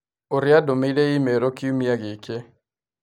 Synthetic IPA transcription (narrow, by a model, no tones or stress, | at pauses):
oɾɪjadomedeimeɾokɪumjaɡɪke